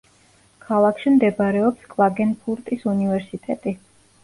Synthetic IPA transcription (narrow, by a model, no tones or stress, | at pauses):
kʰalˠakʰʃimd̪ɛbaɾɛɔpskʼlˠaɡɛnpʰuɾt̪ʼisunivɛɾsit̪ʼɛt̪ʼi